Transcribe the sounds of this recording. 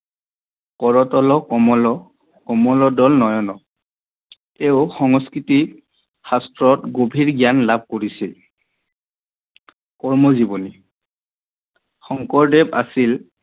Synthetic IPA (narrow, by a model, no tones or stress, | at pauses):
kɔɹɔtɔlɔkɔmɔlɔ | kɔmɔlɔdɔlnɔjɔnɔ | tɛʊxɔŋɔskɹiti | xastɹɔtɡobʱiɹɡijanlab̚ʱkoɹisil | kɔɹmɔzibɔni | xɔŋkɔɹdɛba̰sil